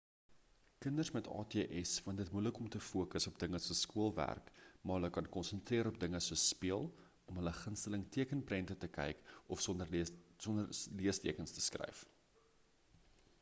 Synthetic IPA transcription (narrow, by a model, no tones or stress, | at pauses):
kəndərsmɛtʰɑ̰ːtiəʔɛsfəntdətmujləkɔmtəfuəkəsɔpdəŋəsuəskuəlˠvæ̰rkmɑɦələkɐnkɔnsəntriəɾɔp̚dəŋəsuəspiəlˠ | ɔmɦələχənstələŋtiəkənprɛntətəkɛ̰jkɔfɔnəsɔndərliəstiəkənstə̥skrɛ̰jf